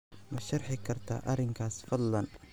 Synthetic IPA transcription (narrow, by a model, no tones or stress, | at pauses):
mɐʃɐrħɪkʰɐrt̪ʰa̰ːʔɐɾɪŋkʰaːsfɐd̪lɐn